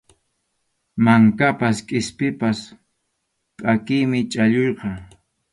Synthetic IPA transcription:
maŋkapaskʼɪspɪpas | pʼakɪjmɪt͡ʃʼaʎojqɑ

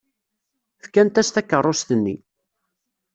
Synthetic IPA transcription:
θkænt̪æst̪ækːərˤːost̪ənːḭ

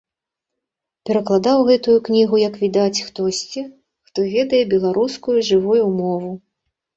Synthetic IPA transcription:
pʲɛɾɐklˠad̪awɣɛt̪ujuknʲiɣujɐkvʲid̪at͡sʲxt̪ɔsʲt͡sʲi | xt̪ɔvʲɛd̪ɐjɛbʲɛlˠaɾʔuskujuʐɨvujumɔvu

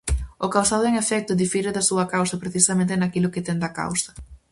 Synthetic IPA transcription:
ʊkawsaðʊeŋefɛk̚t̪ʊðifiɾeðɐsuɐkawsɐpɾeθisɐmẽnt̪enakilʊket̪ɛnd̪ɐka̰wsɐ̥

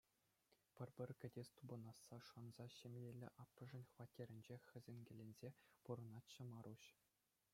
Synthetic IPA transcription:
pʲɘ̆rʲbʲɘ̆rʲkʲɘ̆dʲesʲt̪ubɤ̆nɑsːɑʂɤ̆nzɑɕemʲjelʲːɘ̰̆ʔɑpːɤ̆ʐɘ̆nʲχʋɑtʲːeɾʲɘ̆nʲd͡ʑexʲɘ̆zʲenʲɡʲɘ̆lʲenʲzʲepuɾɤ̆nɑt̪t͡ɕɤ̆mɑɾuɕ

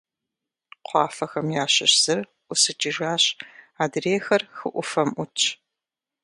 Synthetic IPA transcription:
qʷɑːfɐxɐmjaːɕɐɕz̥ɨr | ʔʷʊsɨt͡ʃʼiʒaːɕaːdreːxɐrxɨʔʷʊfɐmʔʷʊt͡ʃʰʼ

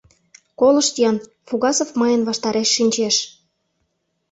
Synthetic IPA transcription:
kolɤ̆ʃt̪ijɑn | fuɣɑsofmɤjə̆nβɑʃt̪ɑɾeʃːinʲt͡ɕeʃ

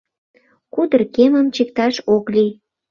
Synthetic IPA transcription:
kud̪ərkeməmt͡ɕik̚t̪ɑʃoklij

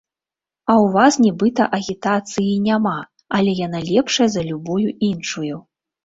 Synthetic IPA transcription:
ɐwvasnʲibɨt̪ɐʔɐɣʲit̪at̪sɨjinʲama | ɐlʲɛjan̪alʲɛpʂɐjɐzɐlʲubujuinʂuju

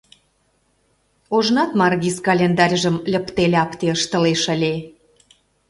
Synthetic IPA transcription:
oʒnɑt̪mɑrɣiskɑlʲend̪ɑrʲʒə̆mlʲə̆pt̪elʲeɑpt̪eəʃt̪ə̆leʃə̆lʲe

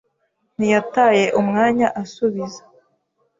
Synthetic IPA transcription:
nijataːje̞ʔumŋaːɲaʔasuβiza

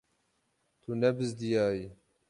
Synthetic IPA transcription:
t̪ʰunɛbɨzd̪ijaːji

